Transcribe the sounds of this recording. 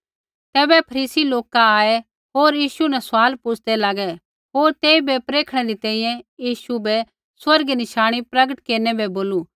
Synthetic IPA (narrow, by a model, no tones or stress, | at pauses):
t̪ɛːbɛpʰɐɾiːsiloːkaaːe | ɦoːɾjiːʃunɛsʊaːlpʊt͡ʃʰd̪ɛlaːɡɛ | ɦoːɾt̪eːibɛpɾeːkʰɽ̃ɛɾit̪ɛ̃ːĩjɛ̃jiːʃubɛ | swɐɾɡnɪʃaːɽ̃ipɾɐɡəʈkeːɾnɛbɛboːlu